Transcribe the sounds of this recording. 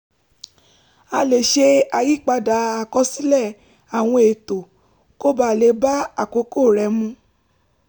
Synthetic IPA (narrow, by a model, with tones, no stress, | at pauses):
a˧le˨ʃe˧a˨ji˦k͡pa˧da˨a˨kɔ˧˦si˦lɛ˦˨ | a˨w̃ɔ̃˧e˨to˨ | ko˦ba˦˨le˨˧˦ba˦a˦˨ko˨˦ko˦˨ɾɛ˧˦mũ˧˦